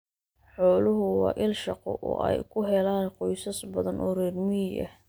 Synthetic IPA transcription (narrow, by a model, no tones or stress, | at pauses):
ħɔːlʊɦʊwɑ̰ːʔɪlʃɑqɔ̰ʔɔ̰ːʔɛjkʰʊɦɛlaːnqɔjsɐsbɐðɐnʔɔːrɛrmɪʔɐ̰h